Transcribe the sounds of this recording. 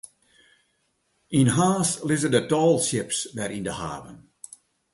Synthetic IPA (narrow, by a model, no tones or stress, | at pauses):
inɦaːslɪzədətɔːlˠsjɪpsʋɛɾindəha̰ːvə̰n